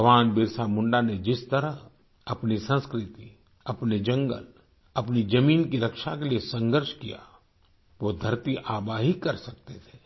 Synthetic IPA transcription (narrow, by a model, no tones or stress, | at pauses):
bʱɐʋaːnbɪɾsamʊ̃ɳɖaned͡ʒɪst̪ɐɾəɦ | ɐpnisə̃nskɾɪt̪i | ɐpned͡ʒɐ̃ŋɡə̰l | ɐpnid͡ʒɐmiːnkiɾɐkʃakeliesɐ̃ŋɡəɾʃkija̰ | ʋoːd̪ʱɐɾt̪iʔaːbaːɦikɐɾsɐk̚t̪et̪ʰe̥ː